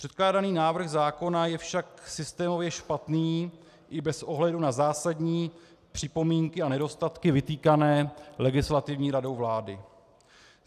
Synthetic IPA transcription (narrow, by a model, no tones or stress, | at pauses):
pr̥ɛt̪klaːdaniːnaːvr̩xzaːko̞najɛfʃaksɪst̪ɛːmo̞vjɛʃpat̪niː | ʔɪbɛsʔo̞ɦlɛdunazaːsadɲiː | pr̥ɪpo̞miːŋkɪanɛdo̞st̪at̪kɪvɪt̪iːkanɛːlɛɡɪslat̪ɪvɲiːɾado̞wvlaːdɪ